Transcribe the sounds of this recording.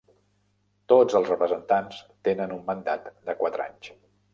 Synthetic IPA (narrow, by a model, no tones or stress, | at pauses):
t̪od͡zəlˠzrəpɾəzənt̪anst̪enənumːənd̪a̰t̪d̪əkwat̪ɾa̰ɲs